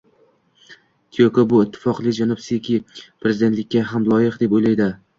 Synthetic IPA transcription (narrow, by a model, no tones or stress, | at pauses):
t̪ʰijokobʊɪt̪ʰːɪ̥fɒqlˠɪd͡ʒanɒbsikʲʰɪpʰɾe̞zɪd̪et̪lɪkʲːaɦamlˠɒjɪqd̪e̞pojlajd̪ɪ